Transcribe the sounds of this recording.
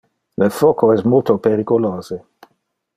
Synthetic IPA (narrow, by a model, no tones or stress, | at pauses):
lefɔkoɛsmolt̪opeɾikoloːze